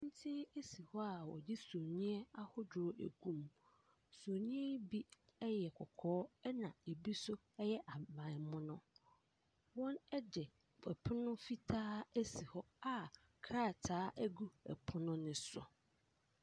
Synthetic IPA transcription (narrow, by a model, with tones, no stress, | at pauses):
n̩˦tʰɪ˦e˦si˨hɔ˦a˨wɔ̰˨d͡ʑi˦so˨ɲĩ˦ɛ˦a˦hʊ˦d͡ʑʊ˨ɾʊ˨ʔæ̰˨ɡũ˦m | so˨ɲĩ˦ɛ˦bi˦ɛ˦jɛ˨kʰɔ˨kʰɔː˦ɛ˦nã˨e˨bi˦sʊ˦ | ɛ˦jɛ˦ʔa˨mã˨mʊ̃˦nʊ̃˦ | wɔ̃˦nɛ˦dɛ˨ | fɛ˨pʰʊ˦nʊ̃˦fi˦tʰaː˦æ˦si˨hɔ˦a˨ | kʰɾa˦˨tʰaː˦ʔæ˦ɡu˦ɛ̰˨pʰʊ˦nʊ̃˦nɪ̃˦sʊ̰˨